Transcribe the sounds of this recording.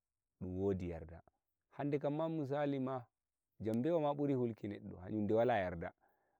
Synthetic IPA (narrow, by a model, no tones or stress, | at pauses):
ɗumwodija̰ɾda̰ | handɛkamːamus̬alima | d͡ʒambɛwamaɓuɾihulkinɛ̰ɗːɔ̰ha̰ɲundɛwalajaɾda̰